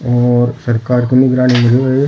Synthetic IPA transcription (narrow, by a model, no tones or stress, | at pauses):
ɔːɾsɐɾkaːɾkinɪɡɾaːñimɪd͡ʒeə